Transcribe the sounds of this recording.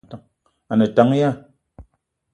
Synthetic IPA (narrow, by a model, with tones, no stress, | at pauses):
ta˨˦ŋ | a˨nə˨ta˨˦ŋ˦ja˦˨